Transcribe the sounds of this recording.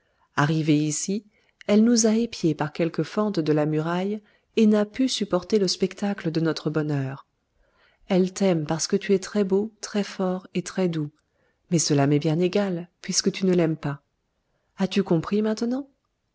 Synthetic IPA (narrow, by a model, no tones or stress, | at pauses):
aʁiveisi | ɛlnuzaepjepaʁkʲɛlkəfɑ̃t̪d̪əlamyʁaj | enapysypɔʁt̪eləspɛkt̪akləd̪ənɔt̪χəbɔnœːʁ | ɛlt̪ɛmpaʁsə̥kət̪yɛt̪χɛbot̪χɛfɔʁet̪χɛd̪u | mɛsəlamɛbjɛ̃neɡalpɥiskət̪ynəlɛmpa | at̪ykɔ̃pχimɛ̃t̪nɑ̃